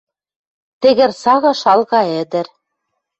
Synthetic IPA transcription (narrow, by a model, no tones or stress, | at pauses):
t̪ɘ̆ɣɘ̆ɾsɑɣɤ̆ʃɑlˠɣɑɘ̆d̪ɘ̆ɾ